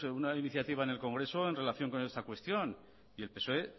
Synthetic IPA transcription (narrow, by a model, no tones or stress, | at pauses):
unainiθjat̪iβaene̞lko̞ŋɡɾe̞soenre̞laθjo̞ŋko̞ne̞st̪akwe̞st̪jo̞n | ie̞lpe̞so̞e